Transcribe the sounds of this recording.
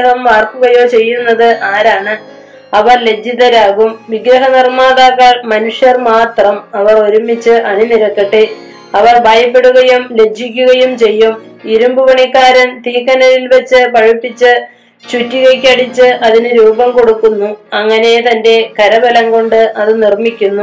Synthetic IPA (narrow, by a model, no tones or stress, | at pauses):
ɐɦɐmːaːrkuɣɐjo̞ːt͡ɕe̞jːunːɐðɨʔaːɾaːɳɨ | ɐʋɐrle̞d͡ʑʱiðɐɾaːɣumʋiɡɾɐɦɐnirmaːðaːɣɐɭmɐnuʂjɐrmaːt̪rɐmɐʋɐro̞ɾumːit͡ɕːɨʔɐniniɾɐkːɐʈːe | ɐʋɐrbʱaːjɐpːe̞ɽuɣɐjumle̞d͡ʑʱikʲːuɣɐjumt͡ɕe̞jːum | iɾumbuʋɐɳikːaːɾɐnt̪iːkːɐnɐɾilʋɐt͡ɕːɨpɐɻipːit͡ɕːɨ | t͡ɕutːiɣɐkʲːɐɽit͡ɕːɨʔɐðinɨɾuːbɐmko̞ɽukːunːuɐŋːɐne̞t̪ɐnde̞kɐɾɐbɐlɐmko̞ɳɖɨɐðɨnirmikʲːunːu